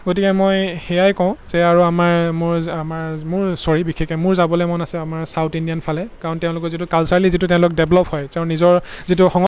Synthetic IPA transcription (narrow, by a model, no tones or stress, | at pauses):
ɡotikɛmojxɛjajkɔ̃ʊ̃zɛaɹuamaɹmʊɹamaɹmʊɹsɔɹibikʰekɛmʊɹzabɔlɔjmɔnasɛamaɹsawtindijanpʰalɛkaɹɔntɛʊ̃lʊkɔzitukalsaɹlizitʊtɛ̃ʊ̃lʊk̚dɛblɔphɔjtɛʊ̃nizɔɹzitʊxɔŋɔ